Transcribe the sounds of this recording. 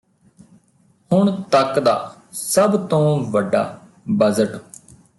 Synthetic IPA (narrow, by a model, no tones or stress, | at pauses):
hʊɳ̃t̪əkd̪a̰ː | səbt̪õːʋəɖːa̰ː | bəzəʈ